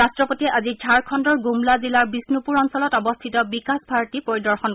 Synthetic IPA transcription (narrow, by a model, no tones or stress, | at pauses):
astɹɔpotiɛʔazid͡ʒʱaɹkʰɔndɔɹɡumlazilaɹbisnupuɹɔnsɔlɔtɔbɔstʰitɔbikasbʱaɹtipoɹidɔɹxɔn